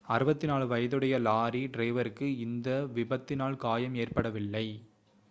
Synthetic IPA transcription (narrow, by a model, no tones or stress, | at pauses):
ɐɾɯbɐt̪ːɪnaːɭʋɐjɐðɯɽɐjɐlaːɾiɖɾeːʋɐɾɯkːɯɪnd̪ɐʋɪbɐt̪ːɪnaːɭkaːjɐmeːrpɐɽɐʋɪlːɐɪ